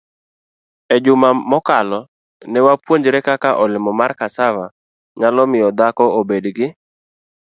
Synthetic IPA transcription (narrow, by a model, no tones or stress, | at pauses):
ɛd͡ʒʊmamɔkalɔ | nɛwapwoɲd͡ʒɾɛkakaʔɔlɪmɔmarkasava | ɲalɔmɪjɔd̪akɔobedɡɪ